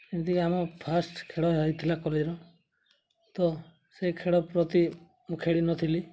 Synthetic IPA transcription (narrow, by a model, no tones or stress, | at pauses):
imt̪ikiamɔpʰasʈkʰeɽɔɦɔɦit̪ʰilakɔled͡ʒɾɔ | t̪ɔ | sejkʰeɽɔpɾɔt̪i | mukʰeɽinɔt̪ʰili